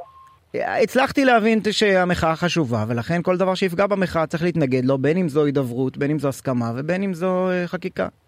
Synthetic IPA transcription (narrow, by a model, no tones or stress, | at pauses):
it͡slaχt̪ileavinʃe̞ameχaaχaʃuvave̞laχe̞nko̞ld̪avaʁʃeifɡabameχaat͡sʁiχleit̪naɡe̞d̪lo̞be̞nimzo̞id̪avʁut̪be̞nimzoaskamave̞be̞nimzo̞eχakika̰